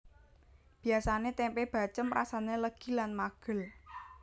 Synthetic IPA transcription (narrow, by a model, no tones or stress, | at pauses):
b̥i̤asanet̪ɛmpeb̥a̤t͡ʃəmɾasaneləɡ̥i̤lanmaɡ̥ə̤l